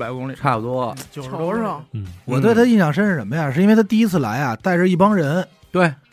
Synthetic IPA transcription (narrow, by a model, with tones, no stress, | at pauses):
pa˧˥ɪkʊ˥ŋli˨˩ʈ͡ʂʰa˥˩pu˩t̪wɔ˥t͡ɕwɔ˨˩t̪we˥˩ɪt̪ʰa˥ə˧i˥˩ɕjɑ˨˩ŋʂə˥nʂə˧˩ʂə˧˥mə˧ja˥˧˩ʂ̬ɻ̩˥˩i˥n˥e˥˧ɪt̪ʰa˥t̪i˥˧i˥t͡sʰɹ̩˥˩la̰˧˥ɪa˥˧t̪a˥˧ɪʈ͡ʂə˞˥˧i˥˩pɑ˥ŋɻə˧˥n | t̪we˥˩ɪ